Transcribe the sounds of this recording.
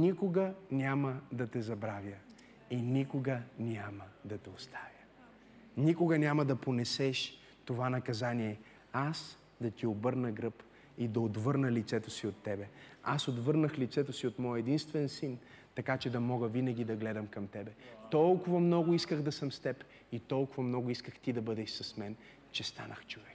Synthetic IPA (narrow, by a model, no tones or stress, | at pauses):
nʲikoɡənʲaməd̪ɐt̪ɛzɐbɾavʲjə | inʲikoɡənʲaməd̪ɐt̪ɛost̪ʰḁvʲjə | nikoɡɐnʲaməd̪ɐponɛsɛʃ | t̪ovanɐkɐzaniɛ | as | d̪ɐt̪iobɤɾnəɡɾɤp | id̪ɐot̪vɤɾnəlit̪sɛt̪osiot̪ːɛbɛasot̪vɤɾnəxlit̪sɛt̪osiot̪mɔjɛd̪inst̪vɛnsint̪ɐkat͡ʃɛd̪ɐmɔɡəvinɐɡ̟ʲid̪ɐɡlɛd̪ɐmkɐmt̪ɛbɛt̪ɔlˠkʊvɐmnɔɡʊiskəxd̪ɐsəmst̪ɛp | it̪ɔlˠkʊvɐmnɔɡʊiskəxt̪id̪ɐbɤd̪ɛʃsɐsmɛn | t͡ʃɛst̪a̰nəxt͡ʃovɛk